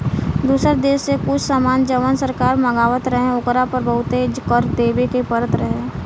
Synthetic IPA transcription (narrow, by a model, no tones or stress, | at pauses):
d̪uːsəɾd̪eːʃsekʊt͡ʃʰsaːmaːnd͡ʒəʋənsəɾkaːɾməɡaːʋət̪ɾəɦẽʊkɾapɾəbəʊt̪ed͡ʒkəɾt̪eːbekepəɾət̪ɾəɦẽː